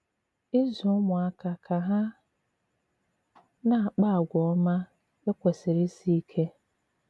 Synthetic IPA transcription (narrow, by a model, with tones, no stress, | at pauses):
e˦zʊ˨˦mʊ̃˨a˨kʰa˨kʰa˨ɦa˦ | nã˦a˨k͡pa˦˨ɡʷɔ˨ɔ˦mã˦ | e˦kʷɛ˨se˨ɾe˦si˦i˦kʰe˦